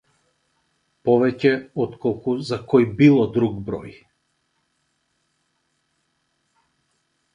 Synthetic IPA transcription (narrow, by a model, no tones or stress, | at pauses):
pɔvɛcɛɔt̪kɔlˠkuzakɔjbilˠɔd̪ɾuɡbɾɔ̰j